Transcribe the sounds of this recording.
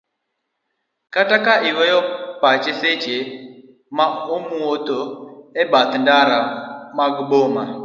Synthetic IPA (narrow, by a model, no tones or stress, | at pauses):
katakaʔiɣɔjɔpat͡ʃɛset͡ʃe | maomuot̪oɛbat̪ndaɾamaɡboma